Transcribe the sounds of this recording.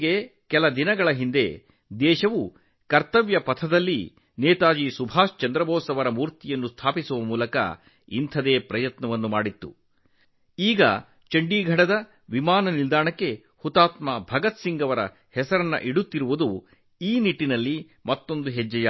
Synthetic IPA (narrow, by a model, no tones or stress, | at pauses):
ɡekɛlɐd̪inɐɡɐɭɐɦind̪e̞ | d̪ɛːʃɐʋu | kɐɾt̪ɐʋjɐpɐt̪ʰɐd̪ɐlːi | nɛːt̪aːd͡ʒisubʱaːst͡ʃɐnd̪ɾɐbʱɔːsɐʋɐɾɐmuːɾt̪ijɐnːust̪ʰaːpisuʋɐmuːlɐkɐ̰ | ḭnt̪ʰɐd̪eːpɾɐjɐt̪nɐʋɐnːumaːɽit̪ːṵ | iːɡɐ̰ | t͡ʃɐɳɖiːɡʱɐɽɐd̪ɐ | ʋimaːnɐnild̪aːɳɐkːe̞ | hut̪aːt̪mabʱɐɡɐt̪siŋɡɐʋɐɾɐ̰ | hɛsɐɾɐnːɐ̰ʔiɽut̪ːiɾuʋud̪u | iːniʈːinɐlːi | mɐt̪ːo̞nd̪uɦɛd͡ʒːɐja